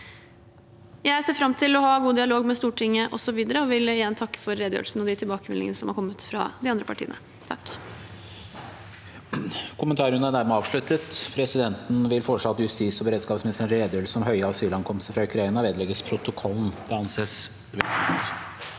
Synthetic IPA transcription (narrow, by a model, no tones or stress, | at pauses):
jæɪseːfɾɑmt̪ʰɪlɔhɑɡuːd̪ɪɑloːɡmɛst̪uːʈʰɪŋːəʔɔsɔʋiːd̪əɾəɔʋɪlɪjɛnːt̪ʰɑkːə̥fɔɾːeːd̪jø̰ːlsn̩ɔd̪ɪt̪ʰɪlbɑːkəmɛ̰lɪ̰ə̰nəsɔmhɑɾkʰɔmːət̪fɾɑ̰d̪ɪɑnd̪ɾəpʰɑʈʰḭːənə̰ | t̪ʰɑ̰kː | kʰʊmənt̪ɑːɾʉnæɖ̪æɾmɛɑːʋʂɭʉt̪ət̪pʰɾɛsɪd̪ɛnt̪n̩ʋɪlfɔʂɑt̪ːəjʉst̪iːsɔbəɾeːd̪skɑːpsmɛst̪ɾənɾeːd̪jøːɾl̩səɔmɦœʏəɑsyːlɑnkʰɔmst̪əfɾɑʉkʰɾɑɪnɑʋeːd̪lɛɡəspʰɾʊt̪ʊkʰɔlːn̩d̪̥ɛɑnseːs | ʋɛɔns